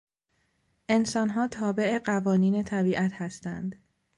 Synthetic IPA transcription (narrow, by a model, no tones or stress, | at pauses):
ʔe̞nsɒːnɦɒːt̪ʰɒːbe̞ʔe̞ɢævɒːniːne̞t̪ʰæbiːʔæt̪ʰhæst̪ænd̪